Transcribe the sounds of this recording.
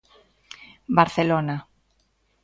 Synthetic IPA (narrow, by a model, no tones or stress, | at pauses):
baɾθelona